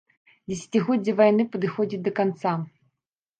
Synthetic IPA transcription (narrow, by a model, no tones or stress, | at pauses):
d͡zʲɛs̬ʲḁt͡sʲiɣɔd͡zʲːɐvajnɨpɐd̪ɨxɔd͡zʲit̪̚ʲd̪ɐkant̪sa